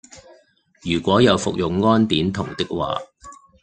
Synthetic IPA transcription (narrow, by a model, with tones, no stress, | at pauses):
jyː˨˩kʷɔː˨˥jɐ˨˧wfʊ̰˨k̚jʊ˨ŋːɔː˥nt̪iː˨˥nt̪ʰʊ˨˩ŋt̪ɪ˥k̚wa̰ː˨